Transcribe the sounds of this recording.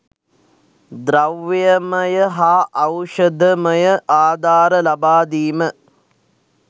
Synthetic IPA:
d̪ɾɐʋjɐmɐjɐɦaːʔɐwʂɐd̪ʱəmɐjɐʔaːd̪ʱaːɾəlɐbaːd̪iːmə

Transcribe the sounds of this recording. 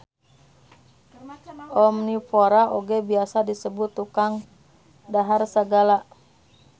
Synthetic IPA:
ʔɔmnipoɾaʔoɡɛbiasadisəbʊt̪ːukaŋ | daɦarsəɡala

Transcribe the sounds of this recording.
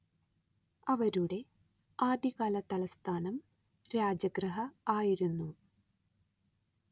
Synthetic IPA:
ɐʋɐɾuɽe̞ | aːd̪iɣaːlɐt̪ɐlɐst̪ʰaːnɐm | ɾaːd͡ʑɐɡrɐɦɐaːjiɾunːu

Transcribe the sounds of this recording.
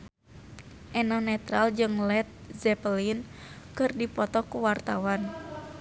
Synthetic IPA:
ʔɛnɔnɛt̪ɾald͡ʒɨŋlɛt̪̚zɛpəlinkɨrdipɔt̪ɔkuwart̪awan

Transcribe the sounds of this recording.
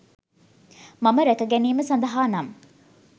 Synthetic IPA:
mɐməɾækəɡæniːməsɐnd̪ɐɦaːnɐm

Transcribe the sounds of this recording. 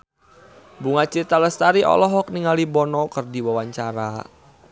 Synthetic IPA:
buŋat͡ʃit̪aləst̪aɾiʔɔ̰lɔɦɔk̚niŋalibɔnɔkərdiwawaɲt͡ʃaɾa̰

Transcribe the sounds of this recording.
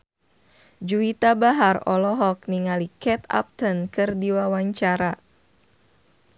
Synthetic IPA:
d͡ʒuit̪abaɦarɔlɔɦɔk̚niŋalikɛt̪a̰p̚t̪ɔnkɨrdiwawaɲt͡ʃaɾa

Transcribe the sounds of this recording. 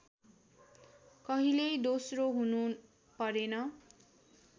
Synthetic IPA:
kʌɦilejd̪osroɦunu | pʌɾenʌ

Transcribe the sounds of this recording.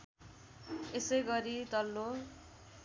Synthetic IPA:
esʌjɡʌɾit̪ʌlːo

